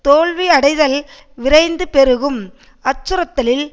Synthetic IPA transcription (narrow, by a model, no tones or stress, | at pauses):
t̪oːɭʋiɐɽɐɪðɐl | ʋɪɾɐɪnd̪ɯpɛɾɯɣɯm | ɐt͡ʃːɯɾɐt̪ːɐlɪl